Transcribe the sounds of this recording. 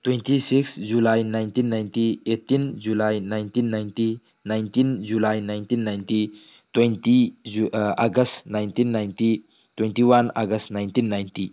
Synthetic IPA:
t̪wentisiksd͡ʒulajnajnt̪inːajntietːind͡ʒulajnajnt̪inːajnti | najnt̪ind͡ʒulajnajnt̪inːajnti | t̪wejnti | aɡəstnajnt̪inːajnti | twentiwana̰ɡəstnajnt̪inːajnti

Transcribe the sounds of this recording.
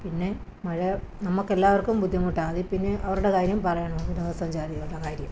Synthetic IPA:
pinːe̞ | mɐɻɐnɐmːukːelːaːʋɐrkumbud̪ʱːimuʈːaːɐðipinːeʔɐʋɐɾuɽekaːɾjɐmpɐrɐjɐɳɐinɐðɐsɐɲd͡ʑaːɾiɣɐɭuɽɐkaːɾjɐm

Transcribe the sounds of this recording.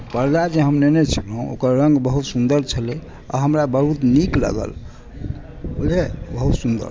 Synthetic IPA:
pəɾd͡ʒad͡ʒeɦəmnenet͡ʃʰilɦũo̰kəɾːəŋɡbəɦut̪sund̪əɾt͡ʃʰəle | a̰ɦəmɾabəɾut̪niklə̰ɡə̰l | olɦebəɦut̪sund̪ə̰ɾ

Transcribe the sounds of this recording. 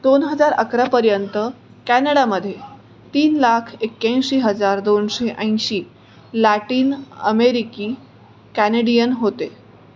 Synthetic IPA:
d̪onɦəd͡zaɾə̰kɾapəɾjənt̪ə | kænəɽaməd̪ʱːje | t̪iːnlakʰekːjãj̃ɕiːɦəd͡zaɾd̪onɕeʔə̃j̃ɕiː | læʈiːnə̰meɾikiː | kæneɽijənɦot̪e

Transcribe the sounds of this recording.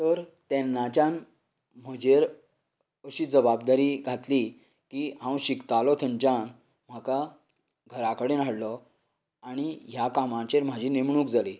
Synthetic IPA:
t̪əɾt̪ɛnːat͡ɕjan | m̤əd͡ʑeɾ | əɕiːd͡zəbabd̪aɾiːɡʱat̪li | kiɦãwɕikt̪alɔt̪ʰəɲt͡ɕan | m̤aka | ɡʱəɾakəɽenaɽlɔ | aɽ̃iɦjakamãt͡ɕeɾm̤ad͡ʑʱiːnemɳũːkd͡zaliː

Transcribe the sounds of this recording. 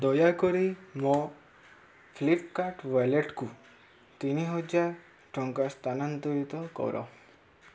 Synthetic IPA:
d̪ɔjakɔɾimɔ̃ | pʰlipkaʈʋaleʈku | t̪iniɦɔd͡ʒaɾ | ʈɔŋkast̪anant̪ɔjit̪ɔkɔ̰wɾʔɔ̰

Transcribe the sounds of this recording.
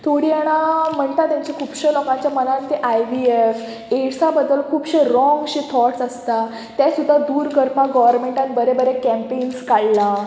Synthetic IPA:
t̪ʰoɽiːəɽ̃am̤əɳt̪at̪jãɲt͡ɕakʰuːbɕəlɔkãɲt͡ɕjamənãnt̪eʔajʋief | eʈsabəd̪ːəlkʰuːbɕəɾɔ̃ŋɡɕit̪ʰɔʈsəst̪a | t̪asud̪ʱːad̪uːɾkəɾpaɡɔʋəɾmeɳʈanibəɾebəɾekɛ̃mpenskaɽla

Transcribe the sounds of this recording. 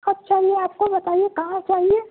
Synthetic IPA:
ətːt͡ʃaːɦieaːp̚kobɐt̪aːijekɐɦãt͡ʃaːɦie

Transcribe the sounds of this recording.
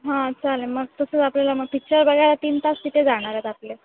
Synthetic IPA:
ɦãt͡sʰaleməɡ̚t̪əsət͡saplalaməɡ̚pik̚t͡ɕəɾbəɡʱajlat̪iːnt̪assiʈ̪ed͡zaɽ̃aɾat̪aple

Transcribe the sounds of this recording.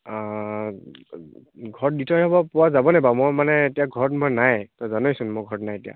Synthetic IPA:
ɡʱɔɹt̚ditʰɔjɦɔbɔpʊwazabɔnɛbamɔjmanɛetijaɡʱɔɹtmɔjnajtɔzanɔjsʊnmɔɡʱɔɹtnajetija̰

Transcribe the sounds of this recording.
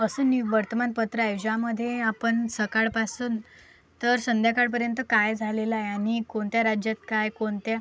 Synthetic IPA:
əsəniʋəɾt̪əmanpət̪ɾəajud͡ʑaməd̪ʱːjeapəɳsəkaɭpasuːn | t̪əɾsənd̪ʱjakaɽp̬əɾjənt̪əkajd͡zʱalelajaɽ̃ikoɳt̪jaɾad͡ʑjat̪kajkoɳt̪ja

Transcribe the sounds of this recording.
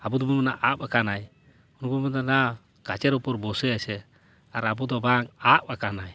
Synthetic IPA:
abud̪ɔbumanaʔapakanaj | unɡɔmɔd̪ana | ɡ̥at͡ʃɛɾupɔɾbɔsɛasɛ | aɾabud̪ɔbaŋaʔakanaj

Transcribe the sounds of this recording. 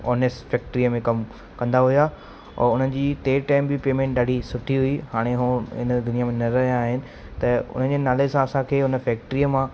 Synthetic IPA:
ɔːnesʈfɛːk̚ʈɾiəmẽkɐm | kɐ̃nd̪aɦʊja | ɔ̰ːʊn̤ən̆d͡ʑiːt̪eːʈaːɪmbɪpeːmẽːɳʈ̚ɗaːɖʱisʊʈʰiɦʊiɦaːɽ̃eɦuːɪ̰nə̆d̪ʱʊnijamẽnɐɾɐɦijãaːɦɪnɪ̆ | t̪ɐʊ̰n̤ənd͡ʑeːnaːlesãɐsãkʰeːʊnə̆fɛːk̚ʈɾiəmã

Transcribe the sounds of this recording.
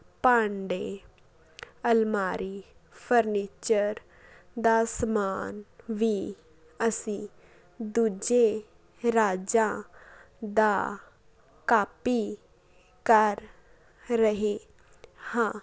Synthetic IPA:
pãːɳɖeː | əlmaːɾiːpʰəɾniːt͡ʃəɾ | d̪aːsmaːnʋiː | əsĩː | d̪uːd͡ʒe | ɾaːd͡ʒã | d̪aː | kaːpiː | kəɾː | əɦe | hãː

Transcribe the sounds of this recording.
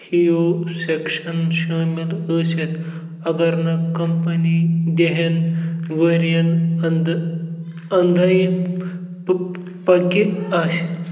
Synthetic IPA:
hiosekʂənɕamiləset̪ | ɐɡəɾnakəmpənid̪eɦenʋeɾijənd̪ | ənd̪ʱai | pəkiaɕe

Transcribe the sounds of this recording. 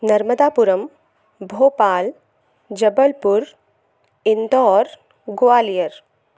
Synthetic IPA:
nɐɾməd̪aːpuɾəm | bʱoːpaːl | d͡ʒɐbəlpuɾ | ind̪ɔːɾ | ɡoʋaːlijəɾ

